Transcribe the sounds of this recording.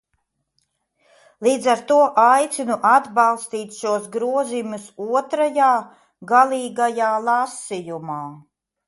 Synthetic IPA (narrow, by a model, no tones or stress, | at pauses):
lˠiːd̪zaɾt̪uɔʔajt̪sinuʔad̪bɑlˠst̪iːt̪ʲʃuɔsɡɾuɔzimʲusuɔt̪ɾajaː | ɡalˠiːɡajaːlˠasijumaː